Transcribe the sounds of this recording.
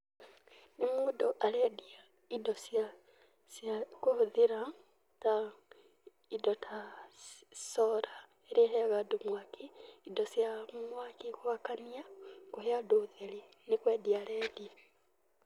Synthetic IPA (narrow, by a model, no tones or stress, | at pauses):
nimuːdɔʔalɛdia | idɔsja | sjakohuðiɾa | ta | idɔtʰa | sɔɾa | eɾehɛɣadomwakiidɔsjamwakikwakaniakoheadoðeli | nikwɛːdialɛdia